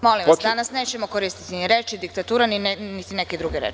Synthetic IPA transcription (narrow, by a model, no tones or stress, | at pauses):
mo̞limʋ̪d̪anasne̞ːt͡ɕe̞mokoɾist̪i̥t̪iniɾe̞t͡ʃid̪ikt̪at̪uːɾaninit̪ineked̪ɾuɡe̞ɾḛt͡ʃ